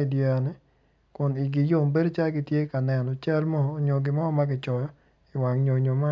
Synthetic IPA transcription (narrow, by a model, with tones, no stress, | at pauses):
i˨dja˨nɛ˦ | kʊ˨ni˨ɡɪ˨jo˨mbe˦do˦t͡ʃa˦ɡi˦tje˦ka˨nɛ˨nɔ˨t͡ʃa˦lmɔː˦˨ɲo˨ɡɪ˨mɔ˦ɔ˦ma˦ɡɪ˨t͡ʃɔ˨jɔ˦ | ɪ˨wa˨ŋɲo˨ɲo˨ma˦